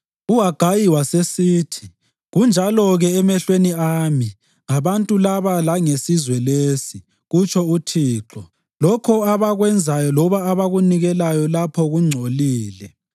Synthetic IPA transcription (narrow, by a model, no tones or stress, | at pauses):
uɦaɡ̥ʱajiwasesiːtʰi̥ | ɣund͡ʒʱalɔɣɛːmɛɬweniaːmi | ŋaβantʼulaβalaŋesizwɛlesi | ɣut͡ʃʰɔutʰiːǁɔ | lɔkʰɔaβaɣwɛnd͡zʱajɔlɔβaːβaɣuniɣɛlajɔlapʰɔɣuŋ͡ǀʱoliːlɛ